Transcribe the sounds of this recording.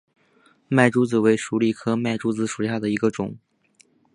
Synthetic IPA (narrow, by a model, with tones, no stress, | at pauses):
ma˥˩ɪʈ͡ʂu˥t͡sɹ̩˨˩we˧˥ɪʂu˧˥li˨˩kʰɤ˥ma˥˩ɪʈ͡ʂu˥t͡sɹ̩˧˥ʂu˨˩i˧˥ɕa˥˩d̪ə˩i˧˥ɡə˧ʈ͡ʂʊ̰˨˩˦ŋ